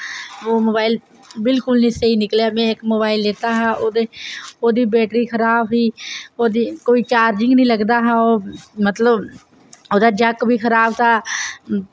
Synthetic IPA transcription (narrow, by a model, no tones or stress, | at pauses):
oːmoːbaːɪl | bɪlkʊlnĩːsəɦiːnɪkleaːmɛ̃ːɪkmoːbaːɪlːeːt̪aːɦãːʔoːd̪eːoːd̪iːbɛːʈɾiːkʰəɾaːbɦiːoːd̪iːkoːiːt͡ʃaːɾd͡ʒɪ̃ŋɡnĩːləɡd̪aːɦãːoːmət̪ləb | oːd̪aːd͡ʒəkbiːkʰəɾaːbt̪ʰaː